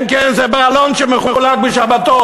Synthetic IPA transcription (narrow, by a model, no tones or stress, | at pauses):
nkɛnzɛbealonʃɛmeχuχulat̪̚bəʃabat̪o